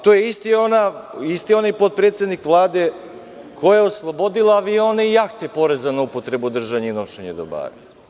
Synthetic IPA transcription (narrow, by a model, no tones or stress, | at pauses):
t̪ojeist̪ionaist̪io̞najpo̞t̪̚pɾeːt̪sʲed̪nikʋlˠaːd̪e̞ | kʰojaoslˠobo̞d̪ilaːʋio̞neijakt̪epo̞ɾezanoupot̪ɾe̞bud̪r̩ʒaɲeino̞ʃeɲed̪oba̰ːɾa